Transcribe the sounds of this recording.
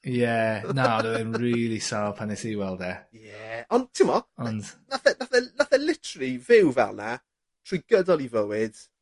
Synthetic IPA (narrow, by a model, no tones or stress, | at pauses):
jɛnanəɛnɹiːlˠisaːpʰanɛsiwɛlˠdɛjɛɔ̃ntʰɪmɔɔndnaθənaθənaθəlˠɪtʰəlˠivɪwvɛ̰lˠna | tʰr̥uiɡədɔlˠivəwɪd̥